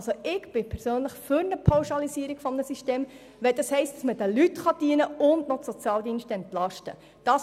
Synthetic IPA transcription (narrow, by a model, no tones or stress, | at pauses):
soɪɡb̥ɪpʰɛɾsøːnləχfʏɾnəpʰawʃɑlisiəɾiɡ̥fɔmnəsiʃteːm | ʋɛld̥̪ɑshɛɪst̚d̥ɑsməd̥əlytχɑd̥iənəʊndnɔsot͡sjɑːldiːnʃtəɛnt̪lɑʃtə̰ | d̥ɑːs